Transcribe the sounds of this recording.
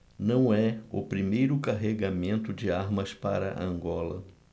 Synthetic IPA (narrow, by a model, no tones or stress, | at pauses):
nɐ̃w̃ɛʊ̰pɾimejɾʊkaɦeɡamẽnt̪ʊd͡ʒɪaɾmɐspa̰ɾɐ̰ʔɐ̃ŋɡɔlɐ̰